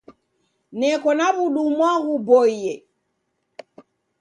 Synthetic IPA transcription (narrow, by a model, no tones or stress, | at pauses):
nɛkɔnaβuɗumwaɣubɔijɛ